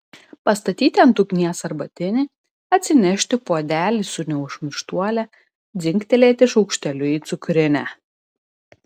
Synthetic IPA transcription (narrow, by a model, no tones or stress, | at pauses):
pɐst̪ɐt̪ʲiːt̪ʲɛnt̪ʊkʲnʲiɛsɐɾbɐt̪ʲɪnʲɪ | ɐt̪ʲsʲɪnʲɛʃʲt̪ʲɪpoɔd̪ʲæːlʲisʊnʲɛʊʃmʲɪɾʃt̪uɔlʲɛ | d̪zʲɪŋʲkt̪ʲɛlʲeːt̪ʲɪʃɔʊkʃʲt̪ʲɛlʲʊiːt̪sʊkɾʲɪnʲæ